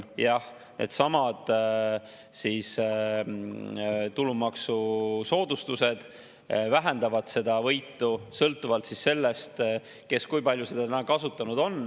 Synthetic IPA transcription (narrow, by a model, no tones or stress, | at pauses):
jɑh | nʔḛd̪sɑmɑd̪̥ | siːs | t̪ulumɑksuso̞ːd̪̥ust̪use̞d̪̥ | væɦe̞nd̪̥ɑvɑd̪̥se̞d̪ɑvɤjt̪ːˑusɤlt̪ːˑuvɑlt̪sisːe̞lːe̞st̪ | ke̞skujpɑlʲjuse̞d̪̥ɑt̪ænækɑsut̪ˑːɑnud̪̥o̞n